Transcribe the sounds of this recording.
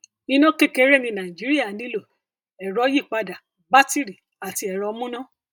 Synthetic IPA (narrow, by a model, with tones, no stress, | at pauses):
ĩ˧nɔ̃˦ke˦ke˧˦ɾɛ˦˨nĩ˧nã˨i˨d͡ʒi˨˦ɾi˦a˦˨˦nĩ˦lo˦˨ | ɛ˨ɾɔ˨˦ji˦˨k͡pa˧da˨ | ba˦ti˦ɾi˨ | a˨ti˧˦ɛ˨ɾɔ˨˧˦mũ˦nã˦˨